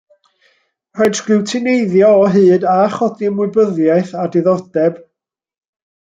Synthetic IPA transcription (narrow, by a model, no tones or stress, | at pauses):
rɛdɡ̥ɪwtʰɪnejðjɔːɦɨːdaχɔdiəmwɪbəðjajθadɪðɔd̥ɛb̥